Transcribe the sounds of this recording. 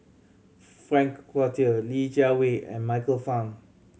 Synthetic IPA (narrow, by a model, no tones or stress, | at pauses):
fɹɛ̃ŋkːwɔtiəlid͡ʒaweɛ̰̃nmaɪkəlfãŋ